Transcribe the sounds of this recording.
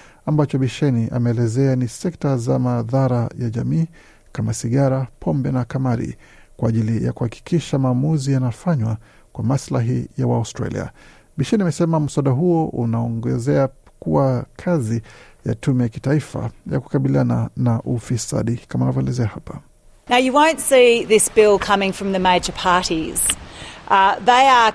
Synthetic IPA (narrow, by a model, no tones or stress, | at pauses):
ambat͡ʃɔɓiʃɛniʔa̰mɛːlɛzɛanisɛktazamaðaɾajaʄamiː | kamasiɠaɾapʰɔmbɛnakamaɾḭ | kwaːʄilija̰kuhaki̥kiʃamaːmuzijanafaɲwa | kwamaslaɦijawaustɾa̰lḭa̰ | ɓiʃɛniamɛsɛmam̩saɗaɦuɔʔunaɔŋɡɛzɛa | kuwakʰazija̰tʰumɛjaki̥taifa̰ja̰ku̥kaɓiliananaʔufisa̰ɗikamanavjɔɛlɛzɛahapa | naʊjɨwõʊ̃ntsiðɪsb̥ɪlˠkʰʌmɪ̃ŋfɹʌ̃mðɨmeɪd͡ʒə˞pʰɑɹɾiz̥ʔðeɪə